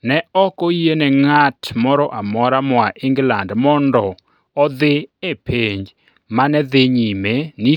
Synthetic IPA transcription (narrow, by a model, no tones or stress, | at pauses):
nɛɔkɔjenɛŋatmɔɾɔʔamɔɾamɔaʔɪŋɡlandmɔndɔ | ɔd̪ɪepeɲd͡ʒ | manɛd̪ɪɲimeni